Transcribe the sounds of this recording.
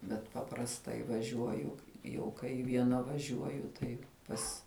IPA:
bʲɛt pɐprɐsˈtɐɪ ʋɐˈʒʲuɔjʊ jɛʊ kɐɪ ʋʲiɛˈnɐ ʋɐˈʒʲuɔjʊ ˈtɐɪ ˈpɐs

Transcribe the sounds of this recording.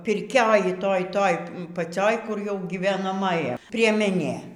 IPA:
pʲɪrʲˈkʲoːj ˈtoːj ˈtoːj pɐˈt͡sʲoːj kʊr jɛʊ ɡʲiːʋʲɛnɐˈmɑːjɛ pʲrʲiɛmʲɛˈnʲeː

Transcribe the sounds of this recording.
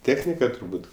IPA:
ˈtʲeːxʲnʲɪkɐ tʊrˈbuːt

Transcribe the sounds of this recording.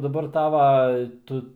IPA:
dɐˈbɐr ˈtɑːʋɐ ˈtʊ

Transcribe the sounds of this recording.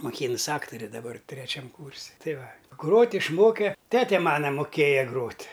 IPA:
moːˈkʲiːnʊs ˈɑːktoːrʲɛ dɐˈbɐr tʲrʲɛˈt͡ʃʲɛm ˈkuːrʲsʲɪ ˈtɐɪ ˈʋɐ ˈɡroːtʲ ɪʃˈmoːkʲɛ ˈtʲæːtʲɛ ˈmɑːnɐ moːˈkʲeːjɛ ˈɡroːtʲ

